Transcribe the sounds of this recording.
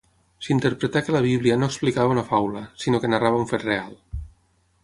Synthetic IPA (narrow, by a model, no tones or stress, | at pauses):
sint̪eɾpɾet̪akelaβ̞iβlianoksplikaβaunafawlasinokenaraβaũɱfet̪real